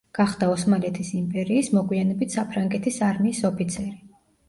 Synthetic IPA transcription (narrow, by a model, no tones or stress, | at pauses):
ɡ̥aχd̪aɔsmalɛt̪ʰisimpʼɛɾiːsmɔɡwianɛbit̪ʰsapʰɾaŋɡɛt̪ʰisaɾmiːsɔpʰit̪sʰɛɾi